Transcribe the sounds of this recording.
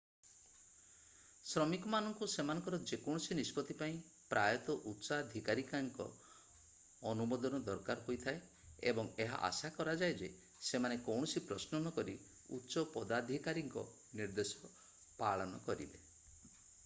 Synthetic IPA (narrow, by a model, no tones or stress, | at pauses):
sɾɔmikɔmanɔŋkusemanɔ̃ŋkɔɾɔd͡ʒekɔwɽ̃ɔsinispɔt̪ipaĩ | pɾʔajɔt̪ɔʔutːsad̪ʱikaɾikaŋkɔ̰ | ɔnumɔd̪ɔnɔd̪ɔɾkaɾɦojt̪ʰae | ebɔŋeɦa̰ʔa̰sakɔɾad͡ʒaed͡ʒe | semanekɔwɳ̃ɔsipɾɔsnɔnɔkɔɾi | ṵtːsɔpɔd̪ad̪ʱikaɾiŋkɔ̰ | niɾd̪esɔ | paɭɔnɔkɔɾḭbe